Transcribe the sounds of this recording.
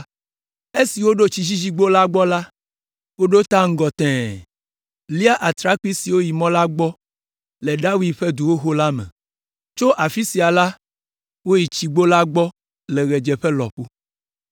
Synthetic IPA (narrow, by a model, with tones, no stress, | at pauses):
e˦si˨wo˦ɖo˦t͡ɕi˦d͡ʑi˦d͡ʑi˦ɡ͡bo˦la˦ɡ͡bɔ˦la˦ | wo˦ɖo˦t̪a˦ŋ̩˦ɡɔ˨t̪ɛ̃˨ | li˦a˦ʔa˨t̪ɾa˦k͡pi˦si˨wo˦ji˨mɔ̃˦la˦ɡ͡bɔ˦ | le˨ɖa˦wi˦dɸe˦d̪u˨wo˦ɦo˦la˦mɛ̰̃˨ | t͡ʃo˦ʔa˨fi˦si˨a˨la˦ | wo˦ji˨t͡ʃi˨ɡ͡bo˦la˦ɡ͡bɔ˦ | le˨ɣɛ˨d͡ʒɛ˨ɸɛ˦lɔ̰˨ɸu˦